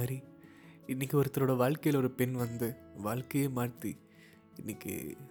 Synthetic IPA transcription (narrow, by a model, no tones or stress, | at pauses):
ɐɾiɪnːɪkːɯɔɾɯt̪ːɐɾoːɽɐʋaːɭkɐjɪlɔɾɯpɛnʋɐnd̪ɯʋaːɭkɐjeːmaːɽt̪ːi | ɪnːɪkːɯ̰